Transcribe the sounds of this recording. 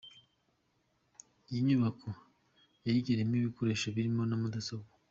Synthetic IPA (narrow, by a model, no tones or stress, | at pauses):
ijiɲuβakʰo | jajiɟeɾemiβikoɾe̞ːʃaβiɾimo̞namudasoko̥